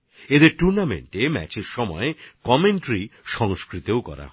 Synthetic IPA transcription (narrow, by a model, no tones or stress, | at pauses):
ed̪eɾʈuɾnamḛɳʈemɛ̰t͡ɕeɾʃɔmɔekɔmeɳʈɾiʃɔŋskɾit̪eokɔ̰ɾa̰